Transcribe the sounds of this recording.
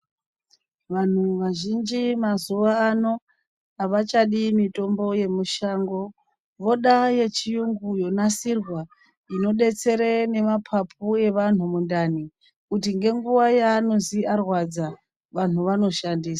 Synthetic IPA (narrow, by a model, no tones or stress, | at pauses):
ʋan̤uʋaʒind͡ʒimazuʋaːno̞ | aʋat͡ʃaɗimito̞mbo̞je̞muʃaːŋɡo̞ | ʋo̞ɗaje̞t͡ʃijuŋɡujo̞nasirwa | ino̞ɗe̞t͡se̞ɾene̞mapʰapʰue̞ʋan̤umundani | kutiŋɡe̞ŋɡuʋajaːno̞ziarwad͡za | ʋan̤uʋano̞ʃandiːsḁ